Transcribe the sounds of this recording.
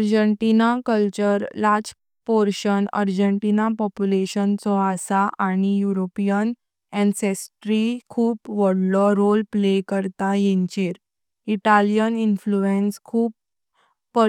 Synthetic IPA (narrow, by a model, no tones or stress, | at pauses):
əɾd͡ʑəɳʈinakəlt͡ɕəɾlad͡ʑ | pɔɾɕənə̰ɾd͡ʑəɳʈinapɔpjuleɕənt͡sɔasaʔaɽ̃ijuɾopijən | ɛ̃nsesʈɾikʰuːpʋɔɽlɔɾolplekəɾt̪ajẽɲt͡ɕeɾ | iʈalijəninfluenskʰuːpː | ə